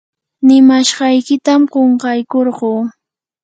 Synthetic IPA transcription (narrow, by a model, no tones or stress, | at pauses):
nɪmaʃɢɑjkɪt̪amɢoɴqɑjkoɾɢuː